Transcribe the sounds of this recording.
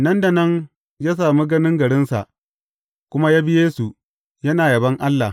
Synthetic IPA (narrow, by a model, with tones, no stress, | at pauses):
nɐ˦nda˨nɐ˦ŋ | jaː˦s̬aː˨mi˦ɡɐ˦nɪ˦ŋɡɐ˨ɽɪ˦nsa̰˨ʔ | kʷʊ˦ma˦jaː˦bɪ˦jeː˦su˨ | jɐ˦naː˨jɐ˨bɐ˦ŋʔa˦lːa˨